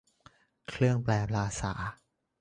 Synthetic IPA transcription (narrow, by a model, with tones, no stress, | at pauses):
kʰlɯ˥˩əŋplɛː˧˩pʰlaː˧sa̰ː˩˦